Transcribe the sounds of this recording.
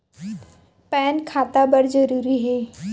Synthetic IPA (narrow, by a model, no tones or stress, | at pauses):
pɛːnkʰaːt̪abɐɾd͡ʒɐɾuːɾiɦɛː